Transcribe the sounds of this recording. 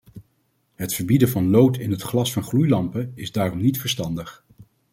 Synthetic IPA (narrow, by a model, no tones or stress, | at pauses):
ɦətfəɹbidəvɑnlowtɪnɦətχlɑsfɑnχlujlɑmpəɪzdaːrɔmnitfəɹstɑndəχ